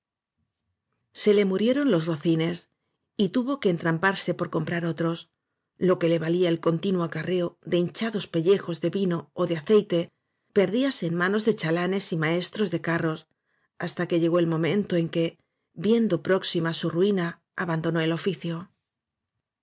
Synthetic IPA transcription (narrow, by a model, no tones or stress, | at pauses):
se̞le̞muɾje̞ɾo̞nlo̞zro̞θine̞s | it̪uβo̞ke̞ːnt̪ɾampaɾse̞po̞ɾko̞mpɾaɾo̞t̪ɾo̞s | lo̞ke̞le̞βaliaelko̞nt̪inwoakare̞oðe̞int͡ʃaðo̞spe̞ʎe̞xo̞zðe̞βino̞ːðeaθe̞jt̪e̞ | pe̞ɾðiaseːnmãno̞zðe̞t͡ʃalane̞simae̞st̪ɾo̞zðe̞karo̞s | ast̪ake̞ʝe̞ɣ̞o̞elmõ̞mẽ̞nt̪o̞e̞ŋke̞ | bje̞nd̪o̞pɾo̞ksimasuruina | aβand̪o̞no̞e̞lo̞fiθjo̞